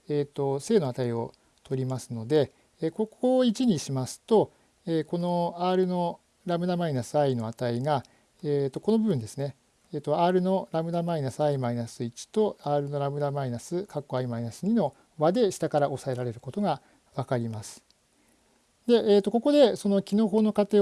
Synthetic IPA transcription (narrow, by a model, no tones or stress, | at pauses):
eːt̪ːo̞se̞ːno̞at̪aio̞ | t̪ʰo̞ɾʲimasɨno̞d̪e̞ | eko̞k̚ʰoit͡ɕiɲ̟iɕimasɨ̥t̪o̞ | eːko̞no̞aːɾɯ̟no̞ | ɾabɯ̟namainasɨaino̞at̪aiɡa | et̪ːo̞ko̞no̞bɯ̟bɯ̟nd̪esɨne̞ | eːt̪ːo̞aːɾɯ̟no̞ɾamɯ̟namainasɨaimainasɨit͡ɕi̥t̪o̞aːɾɯ̟no̞ɾamɯ̟namainasɨkakːo̞aimainasɨɲ̟ino̞ | βad̪e̞ɕi̥t̪akaɾaʔo̞sae̞ɾaɾe̞ɾɯ̟ko̞t̪oɡa | βakaɾʲimasɨ̥ | d̪e̞ʔeːt̪ːo̞ko̞ko̞d̪e̞so̞no̞kʲino̞ːɦo̞ːno̞kat̪e̞ː